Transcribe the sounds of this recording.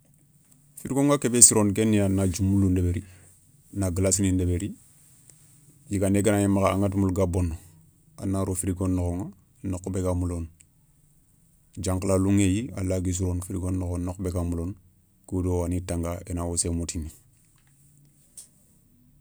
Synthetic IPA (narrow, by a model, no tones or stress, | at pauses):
fiɾiɡoŋakebesiɾoːnkenːijanad͡ʒumulundebeɾi | naɡlasinindebeɾi | jiɡaneɡanajimakaaŋat̬mulɡabonːo | a̰nːaɾofiɾiɡonːokoŋa | nokːbeɡamulon | d͡ʒaŋklaluŋejia̰laɡis̬iɾonfiɾiɡonːoxonnokbeɡamulon | kodowanitaŋɡaenawosemutini